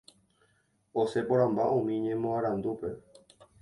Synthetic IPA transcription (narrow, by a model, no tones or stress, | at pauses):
osepoɾãmba̰ʔõmĩɲẽ̞mõaɾãnd̪upe̞